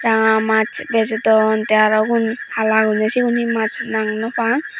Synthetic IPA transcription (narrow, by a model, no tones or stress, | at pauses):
ɾaŋamat͡ʃbezetɔntejaɾaɡunhalaɡunasikunimat͡ʃʰnaŋnɔpʰaŋ